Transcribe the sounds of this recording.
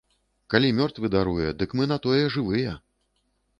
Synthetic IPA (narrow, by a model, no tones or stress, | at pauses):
kalʲimʲɔrt̪vɨd̪aɾujɛd̪ɨkmɨn̪at̪ɔjɛʐɨvɨjɛ